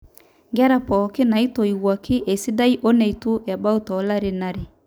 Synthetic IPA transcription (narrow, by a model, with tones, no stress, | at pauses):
ŋɡa˦ɾa˨pɔ˨ke˦na˨i˦to˨i˨ɣwa˨ki˦ʔe˨si˦da˦i˦ʔo˦nɛ˨i˨tu˦ja˨ba˦u˦tɔ˨la˦ɾe˦naɾe˨